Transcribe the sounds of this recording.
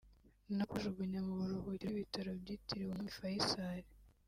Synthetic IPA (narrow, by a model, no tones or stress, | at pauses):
nakuʒuɡuɲamuβuɾuβuciβitaɾobɟiːtiɾiwommifajisaɾi